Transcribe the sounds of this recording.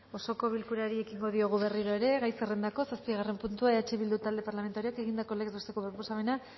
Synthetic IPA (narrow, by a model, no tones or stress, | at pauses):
o̞so̞ko̞β̞ilkuɾeaɾie̞kiŋɡo̞ðio̞ɣ̞uβe̞riɾoe̞ɾe̞ɣajserend̪ako̞saspiɣ̞are̞mpunt̪uaeat͡ʃeβild̪ut̪ald̪e̞paɾlame̞nt̪aɾioake̞ɣind̪ako̞lekzost̪e̞ko̞βɾoposaβena